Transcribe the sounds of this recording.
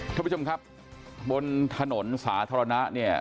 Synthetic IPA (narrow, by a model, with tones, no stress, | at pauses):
kʰa˥˩pːt͡ɕʰo˧mkʰp̚ | bo˧nt̪ʰa˧no˩˦nsaː˩˦t̪ʰaː˧ɾa˧na˦˥ni˥˩ɐ